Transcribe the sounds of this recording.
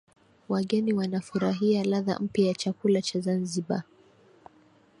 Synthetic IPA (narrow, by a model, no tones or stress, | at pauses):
waɠɛniwanafuɾaɦialaða̰m̩pjajat͡ʃakulat͡ʃazanziɓa